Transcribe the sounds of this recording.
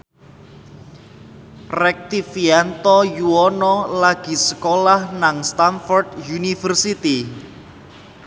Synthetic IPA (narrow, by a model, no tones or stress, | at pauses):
rɛk̚t̪ifiant̪ɔjuɔnɔlaɡ̥i̤səkolahnaŋst̪anfɔrd̪junifərsit̪i